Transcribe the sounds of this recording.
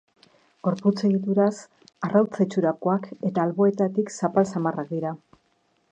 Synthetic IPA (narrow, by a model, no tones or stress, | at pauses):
ɡo̞ɾput͡se̞ɣit̪uɾas | arawt͡set͡ʃuɾakoake̞t̪aːlβo̞e̞t̪at̪iksapalsamarak̚d̪iɾa